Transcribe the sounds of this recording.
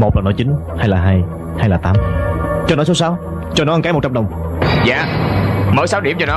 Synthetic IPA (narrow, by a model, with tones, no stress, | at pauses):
mo˨˩t̚laː˨˩nɔ˨˦t͡ɕi˨˦n | haː˧jlaː˨˩ɦaː˧j | haː˧jlaː˨˩t̪aː˨˦mt͡ɕɔ˧nɔ˨˦so˨˦saː˨˦w | t͡ɕɔ˧nɔ˨˦ʔə˧kaː˨˦mo˨˩t̚t͡ɕa˧ɗə˨˩wŋ͡m | za̰ː˧˨məː˨˦jsa˨˦wɗi˧˩əmt͡ɕɔ˧nɔ˨˦